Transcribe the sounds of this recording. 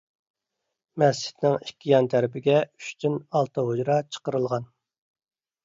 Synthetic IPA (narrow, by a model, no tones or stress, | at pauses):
mɛst͡ʃʰːi̥t̪nɪŋikʲːijɑnt̪ʰæɾɪpɪɡʲɛy̥ʃt̪ʰynɑlˠt̪ʰɑɦod͡ʒɾɑt͡ʃʰə̥qəɾɨlˠʁɑn